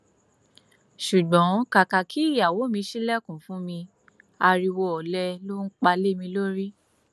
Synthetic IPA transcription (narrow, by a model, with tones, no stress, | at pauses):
ʃu˨ɡ͡bɔ̃˨˦ka˨ka˨kʰi˨˦i˦˨ja˨wo˨˦mĩ˧ʃi˦lɛ˦˨kũ˨fũ˨˦mĩ˧ | a˧ɾi˧wɔ˧ɔ˨lɛ˧lo˦n̩˦k͡pa˧le˦mĩ˧lo˦ɾi˦